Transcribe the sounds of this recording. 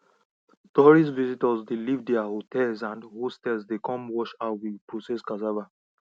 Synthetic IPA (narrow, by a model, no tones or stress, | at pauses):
tɔɹis̬vizitəzd̪ilivdiahotɛlzãndhustɛlzd̪ekɔ̃mwɔʃawipɹosɛskazava